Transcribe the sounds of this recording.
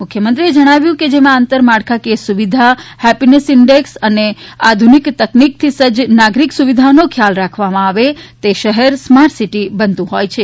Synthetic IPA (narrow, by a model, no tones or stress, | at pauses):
mʊkʰjəmənt̪ɾied͡ʒəɽ̃aʋjũked͡ʒemãənt̪əɾmaɽkʰakesuʋid̪ʱahɛpinesɪɳɖeksənead̪ʱunikt̪əknik̚t̪ʰisəd͡ʒnaɡɾiksuʋid̪ʱanokʰjalɾakʰʋamãaʋet̪eʃəɦɛɾsmaɾʈsiʈibənt̪ũɦojt͡ʃʰe